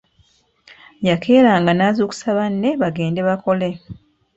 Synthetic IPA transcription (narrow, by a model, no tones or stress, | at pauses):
jakʰe̞ːɾaːŋɡanaːzoːku̥saβanːe̞βaɡe̞ːnde̞βako̞le̞